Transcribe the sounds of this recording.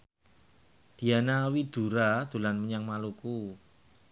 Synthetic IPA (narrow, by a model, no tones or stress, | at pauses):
d̪̥i̤anawid̪̥ṳɾad̪̥ṳlanməɲaŋmaluku